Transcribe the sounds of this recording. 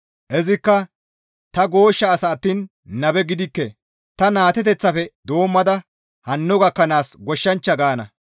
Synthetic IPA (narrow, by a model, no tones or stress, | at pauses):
ʔɛzɪkːɐ | t̪ɐɡo̞ːʃːɐːsɐːt̪ːiːn | nɐbɛɡɪd̪ɪkːɛ | t̪ɐnaːt̪ɛt̪̬ɛt͡sːɐfɛd̪o̞ːmːɐd̪ɐ | hɐnːɔɡɐkːɐnaːsɡɔʃːɐnt͡ʃːɐɡaːnɐ̰